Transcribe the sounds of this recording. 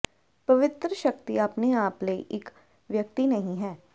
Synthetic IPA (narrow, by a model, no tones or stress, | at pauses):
pəʋɪt̪ɾəʃəkt̪iapneaːpləḭʔɪk | ʋjək̚t̪inəɦĩɦɛː